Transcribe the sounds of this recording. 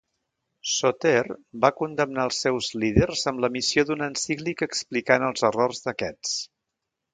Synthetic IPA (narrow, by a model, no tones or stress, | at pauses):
sot̪erbakund̪əmnaəlˠsːɛwzlið̞ərzəmləmisioðunənsiklikəksplikanəlˠzərɔrzðəkɛt͡s